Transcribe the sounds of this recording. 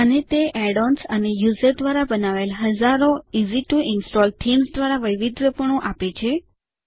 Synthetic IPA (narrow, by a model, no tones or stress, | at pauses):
ənet̪eʔɛɽɔnsənejuzəɾd̪ʋaɾabənaʋelɦəd͡ʒaɾoiziʈuʔɪnsʈɔlʈʰimsd̪ʋaɾaʋəjʋid̪ʋəpəɳõʔapet͡ʃʰe